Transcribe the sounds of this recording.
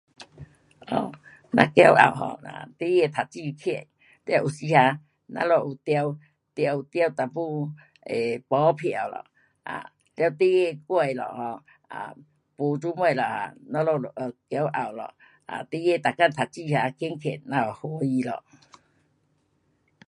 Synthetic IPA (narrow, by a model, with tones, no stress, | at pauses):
ʔɔ̰˨˩ | nã̰˧kja˧˦wʔa̰˨˩wɦɔ̰˧na̰˧t̪i˦je˥˧t̪ʰa˨˩t͡ɕi˥˧kʰɛ˧˨n | t̪a˧wʔu˨˩si˧ha˧ | nã̰˧lɔ˧˨u˨˩t̪ja˧w | t̪ja˧wt̪ja˧wt̪a˨˩pu˧ | e˨pɔ˨˦pʰja˨˩wlɔ̰˨ | ʔa̰˨ | lja˧wt̪i˦je˥˧˨kwe˧˨jlɔ̰˨hɔ˧ | a̰˨ | pu˧t͡su˦mwe˧˨lɔ˨ha̰˧nã˧˦lɔ˧˨lʔkja˧˦wʔa˨˩wlɔ̰˨ | ʔa̰˨t̪i˦je˥˧˨t̪a˨ka˥˧˨t̪ʰa˨˩t͡ɕi˥˧ha˧kʰi˧˦nkʰɛ˨nːã˧ɔ˨˩ho˧˦i˧lɔ̰˨